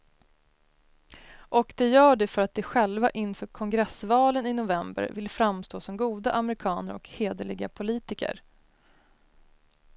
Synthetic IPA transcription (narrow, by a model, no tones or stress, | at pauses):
ʔɔkd̪ɛjœːɖɛfœɾat̪̚d̪ɛɧɛlvaʔɪnːfœːkʰɔŋɡɾɛsvɑːlənɪnʊvɛmbə̰ɾvɪlfɾamst̪oːsɔmɡuːd̪aʔamɛɾɪkʰɑːnəɾɔ̰kheːd̪əɭɪɡa̰pʰʊliːt̪ɪkə̰ɾ